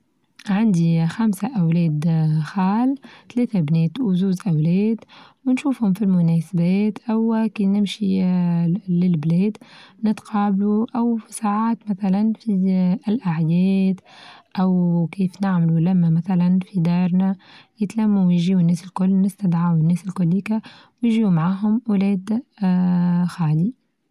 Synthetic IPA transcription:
ʕand̪ixamsaʔawlɛːd̪xaːlt̪lɛːt̪abnɛːt̪zuːzʔawlɛːd̪wɪnʃuːfhʊmfilmʊnɛːsabɛːt̪ʔawkiːnɪmʃi | lɪlblɛːd̪nɪt̪qʰɑːbluʔawsaːʕaːt̪maθalanfiɪlʔaʕjɛːt̪ʔawkiːfnɪʕmalulæmːæmæθalanfid̪ɑːɾˤnajɪt̪lamːuwjʒiːʊnːɛːsɪlkʊlːnɪst̪ad̪ʕawɪnːɛːsɪlkʊlːiːka | wjʒiːumaʕaːɦʊmwlɛːd̪ | xaːli

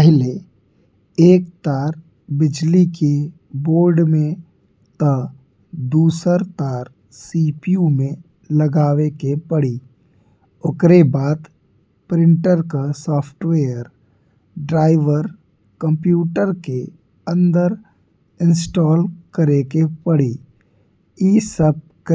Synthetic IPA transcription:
əɦɪle | eːk̚t̪aːɾ | bɪd͡ʒlike | boːɾɖmẽ | t̪ə | d̪uːsəɾt̪aːɾ | siːpiumẽ | ləɡaːwekepəɽi | ʊkɾebaːd̪ | pɾɪ̃ɳʈəɾkasɔːpʰʈweːəɾ | ɖɾaːɪʋəɾ | kə̃mpjuːʈəɾke | ə̃nd̪əɾ | ɪ̃nsʈɔːlkəɾekepəɽi | iːsəb̚k

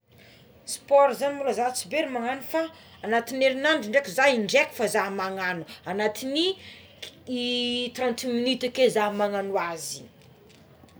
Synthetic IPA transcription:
spɔɾzanimulazat͡sibeɾimaŋanufaː | nat̪ineɾinaɳɖ͡ʐiɳɖ͡ʐekuzaiɳɖ͡ʐekʲu̥fazamaŋanuanat̪ini | it̪rãnt̪iminit̪akezamaŋanuazi̥

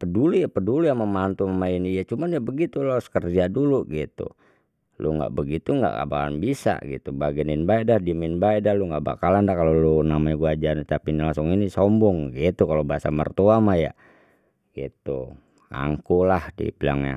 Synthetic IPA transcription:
pədulujapədulujaŋməmant̪uməmainijat͡ʃumanjaʔbəɡit̪uloskərd͡ʒaduluɡit̪ṵ | lʔṵŋɡa̰ʔbəɡit̪uŋɡa̰ʔka̰bala̰nbisa̰ɡḭt̪ubaɡɛninbaɛdahdiminbaɛdahluŋɡaʔba̰kalandahkalolunamaiɡuad͡ʒant̪apinilaŋsʊŋinisɔmbɔŋɡit̪ukalobaasamə̰rt̪uamaja̰ | ɡit̪u | a̰ŋkulahdḭpila̰ŋja̰

